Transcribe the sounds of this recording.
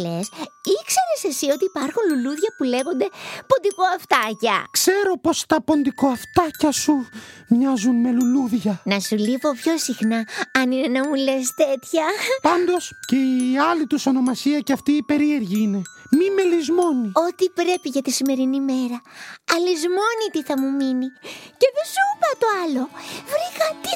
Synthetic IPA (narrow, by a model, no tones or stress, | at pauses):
e̞sikse̞ɾese̞sio̞t̪iːpɐɾxunluluðʝɐpule̞ɣo̞nd̪e̞pond̪iko̞ɐft̪ɐcɐ̰kse̞ɾo̞po̞st̪ɐpo̞nd̪ikoɐft̪ɐcɐsumɲɐzunme̞luluðʝɐnɐsulivo̞pço̞sixnɐɐnine̞nɐmule̞s̬t̪e̞t̪çɐpɐnd̪o̞sce̞iɐlit̪usono̞mɐsiɐceɐft̪iːpe̞ɾie̞ɾʝiine̞mime̞lizmo̞nio̞t̪ipɾe̞piʝɐt̪isime̞ɾinime̞ɾɐɐlizmo̞nit̪iθɐmuminice̞ðesupɐt̪o̞ɐlo̞vɾixɐt̪i